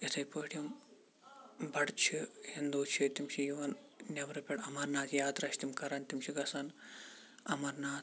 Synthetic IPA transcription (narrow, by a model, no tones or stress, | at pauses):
ɐt̪ʰɐjpoːʈjim | bɐɽt͡ʃʰihind̪uːt͡ʃʰɐt̪imʃijuʋɐnnʲɐʋɾɐpʲeʈɐmɐɾnaːt̪ʰjaːt̪ɾɐʃt̪imkɐɾɐːnt̪imʃʰiɡɐsɐn | ɐ̰mɐɾnaːt̪